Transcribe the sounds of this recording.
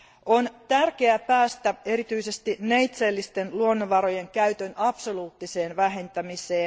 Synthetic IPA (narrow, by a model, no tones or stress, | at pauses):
ont̪ærke̞æpæːst̪æe̞ɾit̪yisest̪innejt̪seːlːist̪enluonːoʋɑɾo̞jeŋkæyt̪ønɑpsoluːt̪ːise̞ːnʋæɦe̞nt̪æmiseː